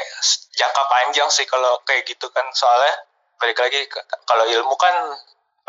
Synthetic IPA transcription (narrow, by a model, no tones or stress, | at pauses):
sd͡ʒaŋkapaɲd͡ʒaŋsɪhkalokajaɡit̪ukansoalɛh | bəɾikalaɡikaloilmukan